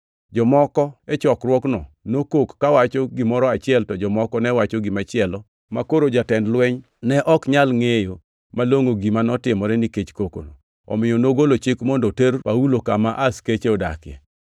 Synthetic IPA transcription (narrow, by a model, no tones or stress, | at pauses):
d͡ʒɔmɔkɔɛt͡ʃɔkɾwɔknɔnokokːawat͡ʃoɡimɔɾɔat͡ʃɪɛltɔd͡ʒɔmɔkɔnɛwat͡ʃɔɡimat͡ʃɪɛlɔ | makoɾod͡ʒatɛndlwɛɲ | nɛʔɔkɲalŋejo | maloŋoɡimanɔtɪmɔɾɛniket͡ʃkoko̰no̰ | ɔ̰mɪjɔnoɡolot͡ʃɪkmɔndɔterpaulokamaʔasket͡ʃeɔda̰kjɛ̰